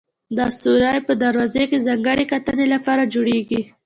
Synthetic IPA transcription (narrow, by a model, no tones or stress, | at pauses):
d̪asuɾɑjpəd̪aɾwɑzekezaŋɡəɽekat̪ənelapɑɾad͡ʒoɽeɡi